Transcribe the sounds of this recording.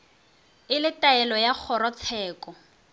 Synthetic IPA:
ɪlɪtaɛlɔjak͡xʰɔɾɔt͡sʰɛːkɔ

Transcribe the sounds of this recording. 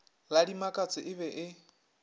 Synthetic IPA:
ladimakʼat͡sʼɪʔɪβɛʔɪ

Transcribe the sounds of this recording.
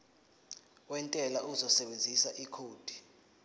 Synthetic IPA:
wɛntʼɛlaʔuzɔsɛɓend͡zʱisaʔikʰoːd̥ʱi̥

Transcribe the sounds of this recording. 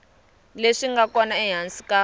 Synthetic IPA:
leʂiŋɡakɔnaɛɦansika

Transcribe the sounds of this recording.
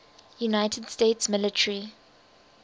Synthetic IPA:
junaɪtʰəd̥steːtsmɪlɪtʰəɹi

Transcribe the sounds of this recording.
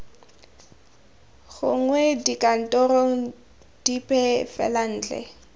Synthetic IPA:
ɣʊ̰ŋ̩wɛdikʼan̩tʼɔrɔŋ̩ | d̥ipʼɛfɛ̰lan̩ːt͡ɬɛ̰

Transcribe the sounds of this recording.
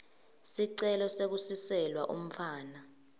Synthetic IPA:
siǀɛlɔsek̬usisɛlwaʔṵm̩faːna

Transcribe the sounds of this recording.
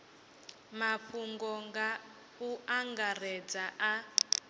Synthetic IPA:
maɸuŋɡɔŋɡa | uʔaŋɡar̤ɛd͡zaʔa

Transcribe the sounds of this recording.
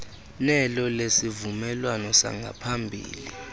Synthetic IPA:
nɛlɔlesivumɛlwanɔsa̰ŋɡʱa̰pʰambʱḭːli

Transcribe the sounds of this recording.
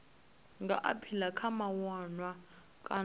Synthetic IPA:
ŋɡʱaʔa̰pʰilakʰamawanwa | kʼa

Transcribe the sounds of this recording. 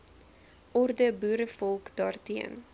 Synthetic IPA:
ʔɔrdəbuːɾəfɔlˠkd̥ɑːrtiən

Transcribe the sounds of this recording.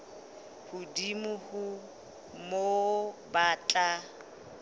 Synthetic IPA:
hʊdimʊhʊ | mobat͡ɬʼa

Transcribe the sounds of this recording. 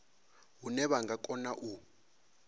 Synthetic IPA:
ɦunɛɓaŋɡʱakʼɔnaʔu

